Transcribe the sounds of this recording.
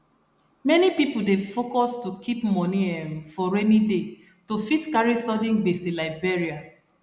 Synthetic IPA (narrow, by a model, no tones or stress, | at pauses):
mɛnipipudefokɔstukipmɔniɛ̃mfɔɹenide | tofitkaɹisɔdĩnbesĩlaɪbeɹia